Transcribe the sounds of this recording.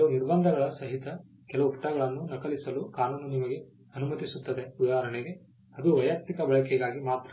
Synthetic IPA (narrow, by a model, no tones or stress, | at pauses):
uniɾbɐnd̪ʱɐɡɐɭɐsɐɦit̪ɐ | kɛlɐʋupʈɐɡɐɭɐnːunɐkɐlisɐlukaːnɐnːunimɐɡe̞ | ɐnumɐt̪isut̪ːɐd̪e̞ud̪aːɐɾɐɳeɡe̞ | ɐd̪uʋɐjak̚t̪ikɐbɐɭɐkɛɡaːɡimaːt̪ɾɐ